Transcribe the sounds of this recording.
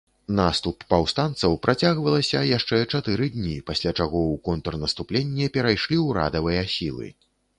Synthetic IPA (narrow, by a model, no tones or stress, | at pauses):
nast̪upːawst̪ant̪sɐwpɾʔat͡sʲaɣvɐlˠɐsʲɐjaʂt͡ʂɛt͡ʂat̪ɨɾɨd̪ʲnʲipasʲlʲat͡ʂaɣɔwkɔnt̪ɐrnɐst̪uplʲenʲːɛpʲɛɾajʂlʲiwɾa̰d̪ɐvɨjɐsʲilˠɨ̰